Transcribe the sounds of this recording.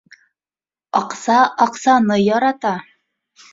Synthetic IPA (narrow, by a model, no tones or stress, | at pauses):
ɒqsɑʔɑqsɑnɤjɒɾɑt̪ɑ